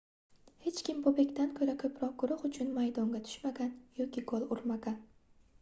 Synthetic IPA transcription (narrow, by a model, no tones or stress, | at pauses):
he̞t͡ʃkʲɪmbʊbekʲt̪ʰankʰɵɾakʰɵpʰɾɒq̚ɡʊɾʊχʊt͡ʃʰʊnmajd̪ɒŋɡʲat̪ʰʊ̥ʃmaɡʲanjɒkʲɪkʰolˠʊɾmaɡʲan